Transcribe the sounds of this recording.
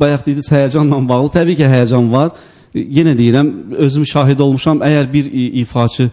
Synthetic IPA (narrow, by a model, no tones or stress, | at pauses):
bɑjɑχd̪id̪iz̥hæjæd͡ʒɑnlˠɑnbɑʁlˠɯt̪ʰæbiːcʰiɦæjæd͡ʒɑnvɑɾ | jenæd̪ejiɾæmø̞zymʃɑːɦid̪o̞lˠmuʃɑmæjæɾbiɾiːfɑt͡ʃʰɯ